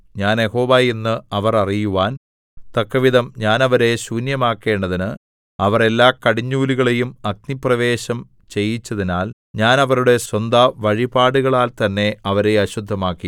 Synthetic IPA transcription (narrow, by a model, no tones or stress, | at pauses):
ɲaːnjeho̞ːʋaːjenːɨɐʋɐrɐrijuʋaːn | t̪ɐkːɐʋiðɐmɲaːnɐʋɐɾeɕuːnjɐmaːkːe̞ːɳɖɐðinɨ | ɐʋɐre̞lːaːkɐɽiɲːuːliɣɐɭejumɐk̚niprɐʋe̞ːɕɐm | t͡ɕe̞jːit͡ɕːɐðinaːl | ɲaːnɐʋɐɾuɽe̞swɐnd̪ʱɐʋɐɻibaːɽuɣɐɭaːlt̪ɐnːe̞ɐʋɐɾe̞ɐɕud̪ʱːɐmaːkːi